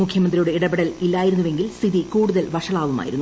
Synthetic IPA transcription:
ukʰjɐmɐnd̪ɾijuɽeiɽɐbeɽɐlilːaːjiɾunːuʋe̞ŋɡilst̪ʰiðikuːɽuðɐlʋɐʂɐɭaːʋuma̰ːjiɾunːu

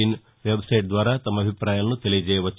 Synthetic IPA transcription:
in | ʋebsɐjʈ̚d̪ʋaːɾat̪ɐmːɐbʱipɾaːjɐnːut̪elid͡ʒɛːjɐʋɐt͡ʃː

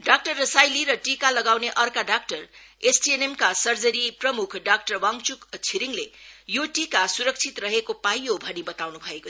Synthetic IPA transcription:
ɖak̚ʈʌrːʌsajliɾʌʈikalʌɡawneʔʌrkaɖak̚ʈʌresʈienemkasʌrd͡zʌɾiprʌmukʰɖak̚ʈʌrwaŋt͡sukt͡sʰiɾiŋlejoʈikasuɾʌk̚t͡sʰit̪rʌɦekopajobʱʌnibʌt̪awnubʱʌeko

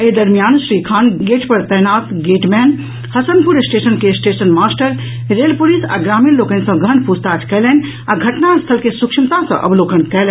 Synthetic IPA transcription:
ed̪əɾmijaːnsɾikʰaːnɡeʈpəɾt̪əɦnaːt̪ɡeːʈmɛn | həsənpuɾsʈesənkesʈesənmaːsʈəɾ | ɾelpulisa̰ɡɾaːminlokə̃nsə̃ɡʱənpust̪ad͡ʒkɛːlɛn | aɡʱɐʈnast̪ʰəlkesukʃʰimt̪ãsə̰̃ʔə̰blokənkɛlɛ̃

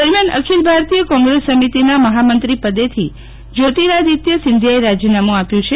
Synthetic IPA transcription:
d̪əɾmjanə̰kʰilbʱaɾt̪ijəkɔ̃ŋɡɾesːəmit̪inaməɦamənt̪ɾipəd̪et̪ʰi | d͡ʒot̪iɾad̪it̪jəsɪnd̪ʱjaeɾad͡ʒinamũapjũt͡ʃʰe

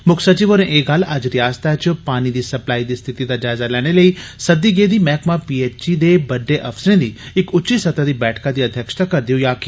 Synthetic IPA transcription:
mʊkʰsɐt͡ʃiːʋoːɾẽʔeːɡalɐd͡ʒɾɪjaːst̪ʰat͡ʃpaːñid̪iːsɐplaːid̪iːst̪ʰɪt̪id̪ad͡ʒaːzalɛːɽ̃eləisɐd̪iɡeːd̪iːmɛːkmãpiːeːt͡ʃt͡ʃid̪ebɐɖːeʔɐfsɾẽːd̪iːɪkʊtːt͡ʃʃisɐt̪ad̪iːbɛːʈʰkãd̪iːɐd̪ʱjəkʃt̪ʰakɐɾd̪ijojaːki

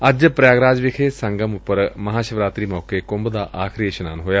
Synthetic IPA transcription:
ɐd͡ʒpɾjaːɡɾaːd͡ʒʋɪkʰeːsɐ̃ŋɡəmʊpːəɾmɐɦaːʃəʋɾaːt̪ɾiːmɔːkekʊmbd̪aːʔaːkʰɾieʃɐna̰ːnɦoːjaː

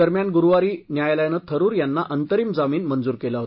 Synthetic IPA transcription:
əɾmjanɡuɾʋaɾiːnjajlajnət̪ʰəɾuːɾjanːaʔənt̪əɾiːmd͡zamiːnmənd͡zuːɾkelaɦot

